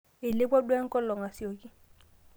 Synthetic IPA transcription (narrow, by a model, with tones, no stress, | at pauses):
ɪ˨lɪ˦pwa˦dwɛ˦ŋ̩˦kɔ˦lɔ˨ŋa˨sjo˨kɪ˦